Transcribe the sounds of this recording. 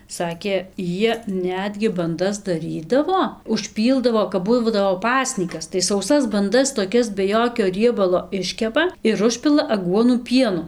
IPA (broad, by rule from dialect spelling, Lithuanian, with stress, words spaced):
ˈsɑːkʲeː ˈjiɛ ˈnʲæːdʲɡʲɪ bɐnˈdɐs dɐˈrʲiːdɐʋoː ʊʃʲˈpʲiːlˠdɐʋoː kɐp ˈbuː ˈbuːdɐʋoː ˈpɑːsʲnʲiːkɐs tɐɪ sɐʊˈsɐs bɐnˈdɐs toːˈkʲɛs bʲɛ ˈjoːkʲoː ˈrʲiɛbɐlˠoː ˈɪʃʲkʲɛpɐ ɪr ˈʊʃʲpʲɪlˠɐ ɐˈɡuɔnuː ˈpʲiɛnʊ